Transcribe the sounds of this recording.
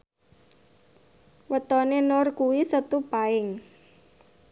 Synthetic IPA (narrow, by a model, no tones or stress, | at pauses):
wət̪ɔnenʊrkuwisət̪upaɪŋ